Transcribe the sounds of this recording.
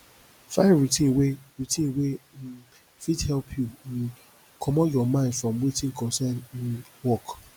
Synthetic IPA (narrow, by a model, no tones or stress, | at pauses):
faɹitĩnweɹitĩnwe | fidhɛlpʰju | kʰɔmɔjɔmãɪ̃ndfɹɔ̃mwitĩnkɔ̃nsɛninwɔk